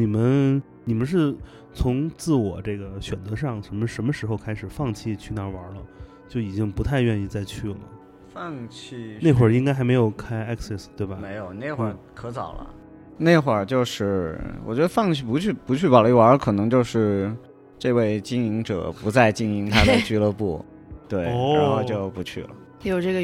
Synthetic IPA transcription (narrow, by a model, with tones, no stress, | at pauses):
ni˨˩mə˦n | ni˨˩mə˦nʂ̬ɻ̩˥˩ | t͡sʰʊ˧˥ŋt͡sɹ̩˥˩wɔ˨˩ʈ͡ʂe˥˩ɡə˩ɕɥɛ˨˩nt͡sɤ˧˥ʂɑ˥˩ŋʂə˧˥nmə˧ʂə˧˥nmə˧ʂɻ̩˧˥xo˧ʊkʰa˥ɪʂɻ̩˨˩fɑ˥˧ŋt͡ɕʰi˥˧t͡ɕʰy˥˧na˧˥wɐ˧˥lə̰˧ | t͡ɕjo˥˩ʊi˨˩t͡ɕi˥ŋpu˧˥t̪ʰa˥˧ɪɥɛ˥˧ni˥˧t͡sa˥˧ɪt͡ɕʰy˥˩lə̰˩ | fɑ˥˧ŋt͡ɕʰi˥˩ne˥˩ɪxwə˞˥˩i˥ŋka˥ɪxa˧˥ɪme˧˥ɪjo˨˩ʊkʰa˥ɪɛ˥ksɛ˥˩st̪we˥˩ɪbɐ˩me˧˥ɪjo˨˧˩ʊne˥˩ɪxwə˥˧˩kʰɤ˧˥t͡sɑ˨˩ʊlə̰˦ | ne˥˩ɪxwə˞˥˩t͡ɕjo˥˧ʊʂɻ̩˥˩wɔ̰˨˩t͡ɕɥɛ˧˥d̪ə˧fɑ˥˧ŋt͡ɕʰi˥˩pu˧˥t͡ɕʰy˥˩˧pu˧˥t͡ɕʰy˥˩wa˧˥li˥˩wa˧˥kʰɤ˨˩nɤ˧˥ŋt͡ɕjo˥˧ʊʂɻ̩˥˧ | ʈ͡ʂɤ˥˧we˥˩ɪt͡ɕi˥ŋi˧˥ŋʈ͡ʂɤ̰˨˩pu˧˥t͡sa˥˧ɪt͡ɕi˥ŋi˧˥ŋt̪ʰa˥də˧t͡ɕy˥˩lə˧pṵ˥˩ | t̪we˥˩ɪɻa˧˥ŋxo˥˧ʊt͡ɕjo˥˩ʊpu˧˥t͡ɕʰy̰˥˩lə̰˩ | jo˨˩ʊʈ͡ʂɤ˥˩ɡə˩